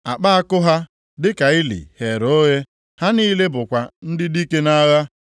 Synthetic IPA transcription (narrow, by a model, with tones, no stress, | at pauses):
a˨k͡pa˦a˦kʊ˦ɦa˦ | dɪ˦ka˨ɪ˦lḭ˨he˨ɾo˦ɣe˦ | ha˦ni˦le˦bʊ˨kʷa˨n̩˦dɪ˦di˦ke˦na˦ɣa˦